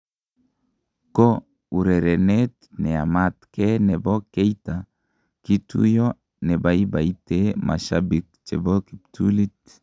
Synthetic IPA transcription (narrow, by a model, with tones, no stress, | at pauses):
ko˦ | u˨ɾɛ˨ɾɛ˨ne˦t̚ | nɛ˨a̰˨mat̪kɛnɛ˨bɔ˦ke˦ita | ki˦tṵ˦jo | nɛ˨bai˦ba˨itemʔa̰˨ʃabik̚t͡ʃɛboki˨p̚tʰuli˦t